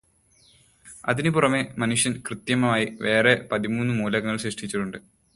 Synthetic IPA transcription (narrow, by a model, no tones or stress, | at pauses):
ɐ̰ðinɨpurɐme̞mɐnuʂjɐnkrɨt̪jɐmɐmaːjiʋe̞ːre̞pɐðimuːnːɨmuːlɐɣɐŋːɐɭɕriʂʈit͡ɕːiʈːuɳɖɨ